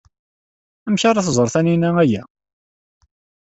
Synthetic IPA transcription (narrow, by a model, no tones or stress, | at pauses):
æmçaɾˤɑθzˤɾˤθæninææjæ